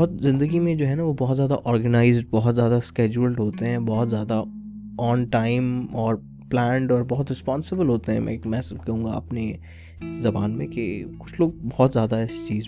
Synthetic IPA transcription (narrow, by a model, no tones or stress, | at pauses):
ɦʊt̪zɪ̃nd̪əɡimẽd͡ʒoːɦɛnaʋobɔɦɔt̪zjaːd̪a̰ʔɔːɾɡənaːɪzɖ̚bɔɦʊt̪zjaːd̪askɛːd͡ʒuəlʈɦoːt̪eɦɛ̃bɔɦʊt̪zjaːd̪a | ɔːnʈaːɪmɔːɾ | plɛ̃ːɳɖɔːɾbɔɦʊt̪ɾɪspɔːnsɪbəlɦoːt̪eɦɛ̰̃mʔɛ̰̃mɛ̃ːsɐbkɐɦũːŋɡa̰ɐ̰pne | zɐbaːnmẽkekʊt͡ʃʰloːɡ̚bɔɦt̪zjaːd̪ast͡ʃiːz